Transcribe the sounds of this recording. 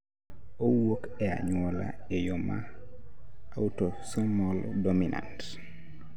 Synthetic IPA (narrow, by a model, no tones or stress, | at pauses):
owokɛa̰ɲuɔla̰ | ɛjɔma | awtosɔmɔldominʔa̰nt